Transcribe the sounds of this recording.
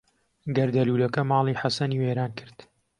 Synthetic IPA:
ɡɐɾd̪ɐluːlɐkɐmɑːlˠiːħasɐniːweːɾaːnkʰɨɾd̪̥

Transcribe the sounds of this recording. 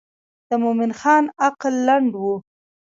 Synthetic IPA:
d̪̥əmomɪnxɑnaqlːaɳɖwu

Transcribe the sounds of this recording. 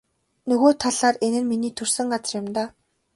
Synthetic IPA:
nɵɣoːt̪ʰaɮaːrenɘ̆nminiːt̪ʰɵr̥sɘ̆ŋɢat͡sə̆rjʊ̆mt̪aː

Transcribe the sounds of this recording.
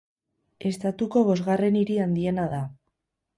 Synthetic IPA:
e̞st̪at̪uko̞βo̞zɣare̞niɾiand̪ie̞naða

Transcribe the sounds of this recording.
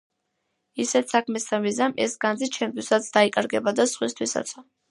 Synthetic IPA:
isɛt̪ʰsakʰmɛst̪ʰamizamɛ̰sɡand̪zit͡ʃʰɛmt̪ʰwisat̪sʰd̪aikʼaɾɡɛbad̪asχwist̪ʰwisa̰t̪sʰɔ

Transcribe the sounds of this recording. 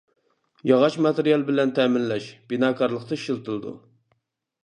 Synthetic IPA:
jɑʁɑʃmɑt̪eɾijɑlˠbɪlɛnt̪ʰɛːmɪnlɛʃb̥inɑːkʰɑɾlˠəqt̪ɑiʃilˠt̪ɨlˠɨd̪ṵ

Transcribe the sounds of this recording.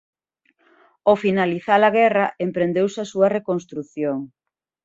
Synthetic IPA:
ofinaliθalaɣɛrɐʔempɾend̪ewsɐsuɐrekonst̪ɾuθjoŋ

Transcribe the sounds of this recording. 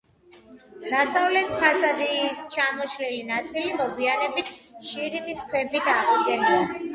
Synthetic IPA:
d̪̥asavlɛt̪kʰasad̪ist͡ʃʰamɔʃlɛlinat̪sʰilimɔɡianɛbit̪ʰʃiɾibiskʰwɛbit̪ʰaʁd̪ɡɛnd̪a

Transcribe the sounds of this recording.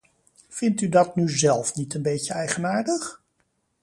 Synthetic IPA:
vɪntydɑtnyzɛlˠfnitənbejcəɛjχənaːɹdəχ

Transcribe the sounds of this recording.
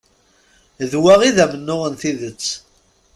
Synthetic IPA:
ðwæʁiðæmənːʊʁənθiðət͡sː

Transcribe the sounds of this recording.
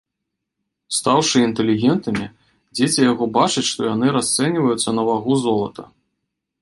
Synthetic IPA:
st̪awʂɨint̪ɛlʲiɣʲɛnt̪ɨmʲi | d͡zʲet͡sʲijaɣɔbat͡ʂɐt͡sʲʂt̪ɔjan̪ɨɾast̪sɛnʲivɐjut̪sːɐnɐvaɣuzɔlˠɐt̪ʰɐ

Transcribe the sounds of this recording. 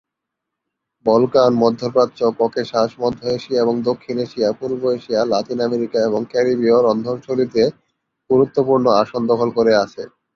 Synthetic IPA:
bɔlkanmɔd̪ʱːopɾat̪ːɕokɔkeʃaʃmɔd̪ʱːoeʃiaeboŋd̪okʰːineʃiapuɾboeʃialat̪inameɾikaeβoŋkɛɾibioɾɔnd̪ʱoɾt͡ʃʰolit̪e | ɡ̥uɾut̪ːopuɾnoaʃond̪ɔkʰolkoɾeat͡ɕʰe

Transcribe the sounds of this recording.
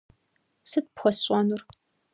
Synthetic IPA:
sɨt̚pxʷɔsɕʷʼɔnur

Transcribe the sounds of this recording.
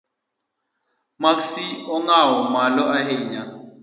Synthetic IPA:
maksiɔŋawɔmalɔʔaɦeɲa

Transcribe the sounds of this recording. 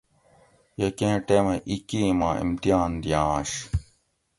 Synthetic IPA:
jɐkẽːʈemɐʔikimaːḭmt̪ijaːnd̪ijãːɕ

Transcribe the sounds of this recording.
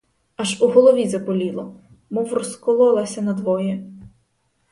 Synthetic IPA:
ɐʒuɦɔlˠɔʋʲizɐpɔlʲilˠɔ | mɔwrɔskɔlˠɔlˠɐsʲɐnɐd̪ʋɔjɛ

